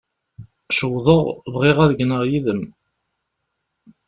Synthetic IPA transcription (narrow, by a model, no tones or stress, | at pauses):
ʃəwðˤəʁvʁiʁæðɡnəʁjiðəm